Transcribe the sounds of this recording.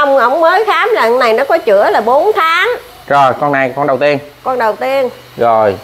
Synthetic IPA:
a˧wŋ͡mʔə˧˩wŋ͡mməː˨˦jxaː˨˦mzaː˨˩ŋna˨˩jnɔ˨˦kɔ˨˦t͡ɕɨ̰˧˥əlaː˨˩ɓo˨˦nt̪ʰaː˨˦ŋ | zo˨˩jkɔ˧nːa˨˧˩jkɔ˧nɗə˨˩wt̪i˧ənkɔ˧nɗə˨˩wt̪i˧ən | zo˨˩j

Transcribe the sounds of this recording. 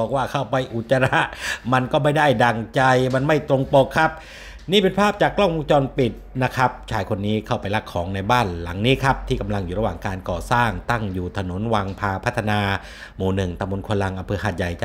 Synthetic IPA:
ɔː˨˩k̚waː˥˩kʰa˥˩wpa˧jʔu˨˩t̪̚t͡ɕːa˧ɾa˦˥ʔma˧nkɔː˥˩ma˥˩jda˥˩jda˨˩ŋt͡ɕa˧jma˧nma˥˩jt̪ɾo˧ŋpo˨˩kʰːa˦˥p̚ | niː˥˩pe˧npʰaː˥˩p̚t͡ɕaː˨˩kːlɔ˥˩ŋbo˧ŋt͡ɕɔː˧npi˨˩t̪̚na˦˥kʰa˦˥p̚t͡ɕʰaː˩jkʰo˧nːiː˦˥kʰa˥˩wpa˧jla˦˥kʰːɔː˩˦ŋna˧jbaː˥˩nla˩˦ŋniː˦˥kʰa˦˥p̚t̪ʰiː˥˩ka˧mla˧ŋjuː˨˩ɾa˧waː˨˩ŋkaː˧nkɔː˨˩saː˥˩ŋt̪a˥˩ŋjuː˨˩t̪ʰa˧no˩˦nwaː˧ŋpʰaː˧pʰa˦˥t̪ʰːa˧naː˧ | muː˨˩nɯ˨˩ŋt̪a˧mbo˧nkʰo˧la˧ŋʔa˧mpʰɤː˧haː˨˩t̪̚ja˨˩jt͡ɕ

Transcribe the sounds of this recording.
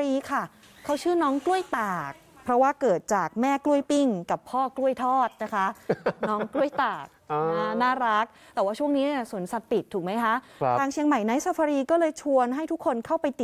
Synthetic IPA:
ɾiː˧kʰa˥˩ | kʰa˦˥˩wt͡ɕʰɯː˥˩nɔː˦˥ŋklu˥˩əjt̪aː˨˩k̚pʰɾɔ˦˥waː˥˩kɤː˨˩t̪̚t͡ɕaː˨˩k̚mɛː˥˩klu˥˩əjpi˥˩ŋka˨˩pʰːɔː˥˩klu˥˩əjt̪ʰɔː˥˩t̪̚na˦˥kʰa˦˥nɔː˦˥ŋklu˥˩əjt̪aː˨˩k̚ːa˥˩naː˥˩ɾa˦˥k̚t̪ɛː˨˩waː˥˩t͡ɕʰu˥˩əŋniː˦˥na˧˥˩su˨˩˦nsa˨˩t̪̚pi˨˩t̪ʰːuː˨˩k̚ma˦˥jkʰa˦˥ʔt̪ʰaː˧ŋt͡ɕʰi˧əŋma˨˩jna˨˦˥jsa˧pʰa˧ɾiː˧kɔː˥˩lɤː˧jt͡ɕʰu˧ənɦa˥˩jt̪ʰu˦˥kʰːo˧nkʰa˥˩wpa˧jt̪i˨˩

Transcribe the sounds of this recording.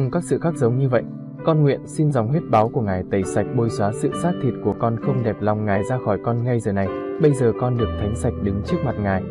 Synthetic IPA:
ŋ͡mkaː˦˥k̚sɨ̰˧˨xaː˦˥k̚zə˨˦wŋ͡mɲɨ˧və̰˧˨jʔ | kɔ˧nŋwḭ˧˨ənsi˧nzɔ˨˩wŋ͡mɦwi˦˥t̚ɓaː˨˦wku˧˩əŋaː˨˩jt̪ə˧˩jsa˨˩jk̟̚ɓo˧jswaː˨˦sɨ̰˧˨saː˦˥k̚t̪ʰi˨˩t̚ku˧˩əkɔ˧nxə˧wŋ͡mɗɛ˨˩p̚la˨˩wŋ͡mŋaː˨˩jzaː˧xɔ˧˩jkɔ˧nŋa˧jzəː˨˩na˨˩jɓə˧jzəː˨˩kɔ˧nɗɨ˨˩ək̚t̪ʰa˨˦jŋ̟sa˨˩jk̟̚ɗɨ˨˦ŋt͡ɕɨ˦˥ək̚ma˨˩t̚ŋaː˨˩j

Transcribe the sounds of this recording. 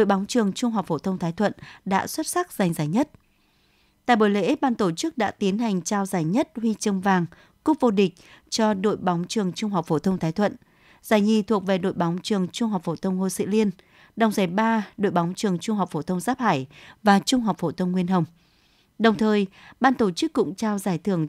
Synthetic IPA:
ɗo̰˧˨jɓa˨˦wŋ͡mt͡ɕɨ˨˩əŋt͡ɕʊ˧ŋ͡mɦa˨˩wk͡p̚fo˧˩t̪ʰə˧wŋ͡mt̪ʰaː˨˦jt̪ʰwə̰˧˨nɗa̰ː˧˥swə˦˥t̚sa˦˥k̚z̥a˨˩jŋ̟zaː˧˩jɲə˦˥t̚ | t̪a̰ː˧˨jɓo˨˧˩jlḛ˧˥ɓaː˧nt̪o˧˩t͡ɕɨ˦˥k̚ɗa̰ː˧˥t̪i˨˦ənɦa˨˩jŋ̟t͡ɕaː˧wzaː˧˩jɲə˦˥t̚hwi˧t͡ɕə˧ŋ͡mvaː˨˩ŋ | kʊ˦˥p̚vo˧ɗï˨˩k̟̚t͡ɕɔ˧ɗo̰˧˨jɓa˨˦wŋ͡mt͡ɕɨ˨˩əŋt͡ɕʊ˧ŋ͡mɦa˨˩wk͡p̚fo˧˩t̪ʰə˧wŋ͡mt̪ʰaː˨˦jt̪ʰwə̰˧˨n | z̥aː˧˩jɲi˨˩t̪ʰu˨˩ək̚ve˨˩ɗo̰˧˨jɓa˨˦wŋ͡mt͡ɕɨ˨˩əŋt͡ɕʊ˧ŋ͡mɦa˨˩wk͡p̚fo˧˩t̪ʰə˧wŋ͡mŋo˧sḭ˧˥li˧ən | ɗə˨˩wŋ͡mza˧˩jɓaː˧ɗo̰˧˨jɓa˨˦wŋ͡mt͡ɕɨ˨˩əŋt͡ɕʊ˧ŋ͡mɦa˨˩wk͡p̚fo˧˩t̪ʰə˧wŋ͡mzaː˦˥p̚haː˧˩jvaː˨˩t͡ɕʊ˧ŋ͡mɦa˨˩wk͡p̚fo˧˩t̪ʰə˧wŋ͡mŋwi˧ənɦə˧˩wŋ͡m | ɗə˨˩wŋ͡mt̪ʰəː˨˩jɓaː˧nt̪o˧˩t͡ɕɨ˦˥kːʊ̰˧˥ŋ͡mt͡ɕaː˧wzaː˧˩jt̪ʰɨ˧˩əŋ

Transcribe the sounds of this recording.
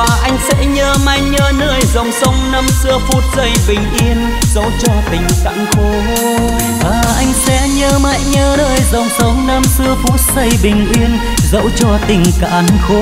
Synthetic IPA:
aː˨˩ʔa˧jŋ̟sɛ̰˧˥ɲəː˧maː˧jɲəː˧nəː˧jzə˨˩wŋ͡msə˨˦wŋ͡mnə˧msɨ˧əfu˦˥t̚zə˧˩jɓï˨˩ŋ̟ʔi˧ən | zə̰˧˥wt͡ɕɔ˧t̪ï˨˩ŋ̟ka̰˧˨ŋxo˨˦ɦo˧ | vaː˨˩ʔa˧jŋ̟sɛ̰˧˥ɲəː˧ma̰ː˧˨jɲəː˧nəː˧˩jzə˨˩wŋ͡msə˨˦wŋ͡mnə˧msɨ˧əfu˦˥t̚zə˧˩jɓï˨˩ŋ̟ʔwi˧ən | zə̰˧˥wt͡ɕɔ˧˩t̪ï˨˩ŋ̟ka̰ː˧˨nxo˧˦

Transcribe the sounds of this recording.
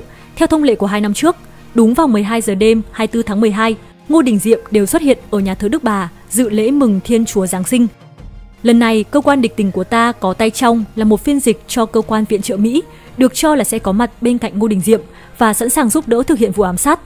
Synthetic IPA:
t̪ʰɛ˧wt̪ʰə˧wŋ͡mlḛ˧˨ku˧˩əɦaː˧jna˧mt͡ɕɨ˦˥ək̚ | ɗʊ˨˦ŋ͡mvaː˨˩wmɨ˨˩əjɦaː˧jzəː˨˩ɗe˧mhaː˧jt̪ɨ˧t̪ʰaː˨˦ŋmɨ˨˩əjɦaː˧j | ŋo˧ɗï˨˩ŋ̟zḭ˧˨əmɗe˨˩wswt̚hḭ˧˨ənʔəː˧˩ɲaː˨˩t̪ʰə˨˦ɗɨ˦˥k̚ɓaː˨˩ | zɨ̰˧˨lḛ˧˥mɨ˨˩ŋt̪ʰi˧ənt͡ɕu˨˦əzaː˨˦ŋsï˧ŋ̟ | lə˨˩nːa˨˩jkəː˧kwaː˧nɗï˨˩k̟̚t̪ï˨˦ŋ̟ku˧˩ət̪aː˧kɔ˨˦t̪a˧jt͡ɕa˧wŋ͡mlaː˨˩mo˨˩t̚fi˧ənzi˨˩k̚t͡ɕɔ˧kəː˧kwaː˧nvḭ˧˨ənt͡ɕə̰ː˧˨mḭ˧˥ | ɗɨ˨˩ək̚t͡ɕɔ˧laː˨˩sɛ̰˧˥kɔ˨˦ma˨˩t̚ɓe˧nka̰˧˨jŋ̟ŋo˧ɗï˨˩ŋ̟zḭ˧˨əm | vaː˨˩sa̰˧˥nsaː˨˩ŋzu˦˥p̚ɗə̰ː˧˥t̪ʰɨ˨k̚hḭ˧˨ənvṵ˧˨ʔːmsaː˦˥t̚

